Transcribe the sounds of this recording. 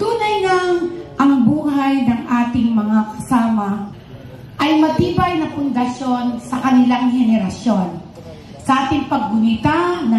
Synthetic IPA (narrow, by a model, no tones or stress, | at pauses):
t̪uːnɐjnɐŋʔɐŋbuːhajnɐŋʔaːt̪ɪŋmɐŋakɐ̥saːmɐ | ʔɐjmɐt̪iːbɐjnɐpʊnd̪ɐʃo̞nsɐkɐnɪlaŋhɛnɛɾɐʃjo̞n | sɐʔaːt̪ɪŋpɐɡ̚ːʊnɪt̪anɐ